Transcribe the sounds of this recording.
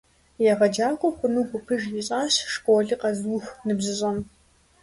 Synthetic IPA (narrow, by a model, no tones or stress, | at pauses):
jaʁɐd͡ʒaːkʷʼʊxʷʼʊnɨxʷʊpʰɨʒiɕʼaːɕʂkʷʼoːɮiqʼɐzwuxʷnɨbzɨɕʼɐn